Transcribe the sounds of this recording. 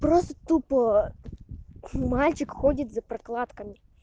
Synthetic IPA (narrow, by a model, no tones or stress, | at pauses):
pɾɔst̪t̪upɔ | mɑlʲt͡ʃɪkxɔdʲɐt̪ʲzɐpɾɐklˠɑt̪kɐmʲi